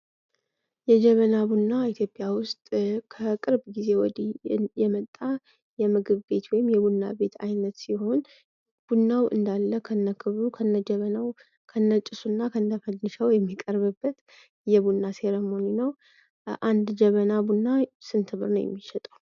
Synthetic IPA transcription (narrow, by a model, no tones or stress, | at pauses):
jɛd͡ʒɛβənabunːait̪ʰjo̞pʼːjawʊst̪ʼkʰəkʼɨɾbɡize̞wɔ̰d̪ijɛmət̪ʼːa | jɛmɨɡɨβɡe̞t̪wɔjɪmjɛbunːa̰be̞t̪ʰa̰jnət̪siho̞n | b̥unːawʔɨ̰nd̪alːəkʰənːəkʰɨβɾukʰəɨnːəd͡ʒɛβənaw | kʰənːət͡ʃʼɪsunːakʰənd̪əfənːɨʃəwjɛmːikʼəɾβɨbːət̪ | jɛbunːase̞ɾəmoninəw | ʔand̪d͡ʒɛβənabunːasɨnt̪ʰɨβɨɾnəwjɛ̰mːiʃɛt̪ʼaw